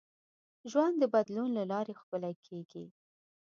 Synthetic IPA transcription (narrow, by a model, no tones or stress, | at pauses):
ʒwand̪d̪əbad̪lunlalɑɾexpəlakʰeɡi